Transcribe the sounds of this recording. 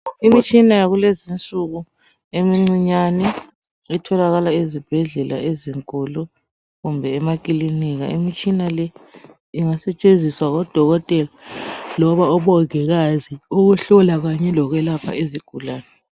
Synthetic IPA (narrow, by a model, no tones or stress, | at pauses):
imit͡ʃʼinajaɣulezint͡sʼuɣu | emiŋ͡ǀiɲanɛ | itʰɔlaɣalaizib̥ʱɛɮɛla̰eziŋkʼulu | ɣumbʱɛːmakʼiliniɣa̰imit͡ʃʼinalɛ | iŋasɛt͡ʃʼend͡zʱiswaɣɔd̥ʱɔɣɔtʼɛlalɔβaɔβɔɣɛɣaziuɣuɬɔlaɣaɲɛlɔɣɛlapʰa̰eziɡ̥ʱulaːnɛ